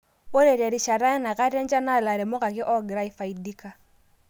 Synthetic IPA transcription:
o˦ɾe˨ɾɛ˨ɾi˨ʃa˨ɾa˦ɛ˦na˨ka˦ɾɛ˦nd͡ʒa˦na˦˨la˨ɾɛ˨mo˦ka˨kɪ˦ʔɔ˦ɡɾa˦i˦fa˨i˨di˦ka˨

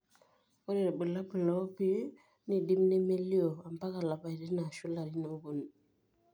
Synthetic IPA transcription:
o˦ɾe˨ɾbə˨la˦bə˨la˦o˦pi˦ | ni˨di˦mne˦me˦li˦o˨a˨mpa˦ka˨la˨ba˨jdi˦na˨ʃu˦la˨ɾi˦no˨˦ɡo˨n˨

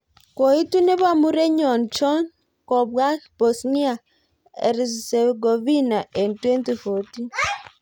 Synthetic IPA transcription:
kwo˨i˦tu˦ne˦βa˦mu˦ɾe˦ɲɔ˨nt͡ʃɔ˦n | kɔ˨bwa˦kb̥ɔ˨sni˦a˨ | ḛ˨ɾi˨zse˨ɡɔ˨vi˦na˨ʔe˨ntwe˦nti˨fo˨ti˦n

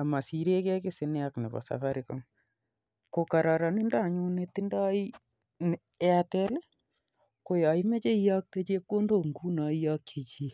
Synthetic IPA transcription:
a˨ma˨si˨ɾe˦kɛ˦kɪ˦sɪ˨nɪ˦a˦knɪ̰˨pɔ̰˨sa̰˨fa˦ɾi˨kɔ˦m | ko˨ka˨ɾa˨ɾa˨nɪ˦nda˦˨ɲu˦ne˦ti˦nda˦i˦ | n | ɛ˦a˦tɛ˦le˦ | ko˨ja˨i˦me˦t͡ʃe˦ija˦k̚te˦t͡ʃe˦ko˦ndo˦˨ŋɡu˦na˨ja˦ke˨t͡ʃi˦

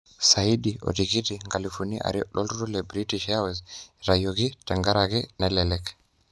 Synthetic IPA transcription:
sai˦dio̰˨tiki˦tiŋɡa˨lifuniʔa̰˨ɾjɔ̰lɔ˦ltɔ˦tu˦lɛ˨bɾi˦tiʃa˦wzɾajokɪ˦tɛ˨ŋɡa˦ɾakɪ˦nɛ˨lɛlɛk

